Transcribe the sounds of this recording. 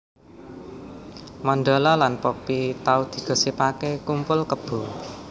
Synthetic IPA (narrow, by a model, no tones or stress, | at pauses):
mɔnd̪ɔlɔlanpɔpit̪aud̪̥i̤ɡ̥ɔ̤sipakekumpʊlkəb̥ṳ